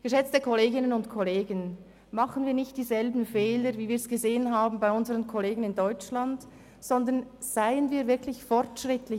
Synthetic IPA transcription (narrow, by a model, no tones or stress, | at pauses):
ɡ̥əʃɛt͡stəkʰɔleːɡɪnənʊntkʰɔleːɡən | mɑχənviːɐnɪçt̚d̥iːzɛlbn̩fɛːləviːviːɐsɡ̥əzeːənɦaːb̩baɪʊnzəʁənkʰɔleːɡən̩ɪndɔʏt͡ʃland | z̥ɔndən | z̥aɪənviːɐvɪɐklɪçfɔɾtʃʁɪtlɪ